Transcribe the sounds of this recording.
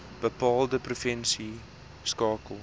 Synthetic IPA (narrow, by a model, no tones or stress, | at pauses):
b̥əpɑːlˠdəprufɛnsi | skɑːkəlˠ